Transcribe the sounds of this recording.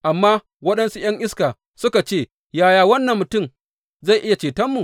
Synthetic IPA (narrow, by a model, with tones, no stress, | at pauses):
ʔa˨mːaː˦ | wɐ˦ɗɐ˦nsu˦j̰ɐ˦ŋʔɪ˦skaː˨ | sʊ˦ka˨t͡ʃeː˦˨ | jaː˦jaː˨wɐ˦nːɐ˨mːʊ˨tʊ˦˨m | za˦˨ʔɪ˦ja˨t͡ʃeː˨tɐ˦mːu˨